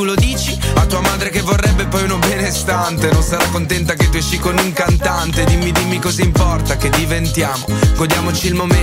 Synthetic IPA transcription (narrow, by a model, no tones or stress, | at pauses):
ulod̪iːt͡ʃiat̪ːuːamaːd̪ɾekevːorːɛbːepɔjunobɛːneːst̪ant̪enonsaɾakːont̪̬ɛnt̪ak̬et̪ːuɛʃikonuŋkant̪ant̪ed̪imːid̪imikɔzaimpɔrt̪aked̪ivent̪jaːmoɡod̪jaːmot͡ʃiːlmom